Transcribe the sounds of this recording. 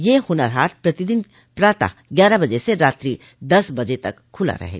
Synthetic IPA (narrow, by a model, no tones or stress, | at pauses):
jehʊnaɾɦaːʈpɾɐt̪id̪ɪn | pɾaːt̪a̰ɡjaːɾabɐd͡ʒeseɾaːt̪ɾi | d̪ɐsbɐd͡ʒet̪ɐ̰kʰːʊla̰ɾɐ̰ɦḛ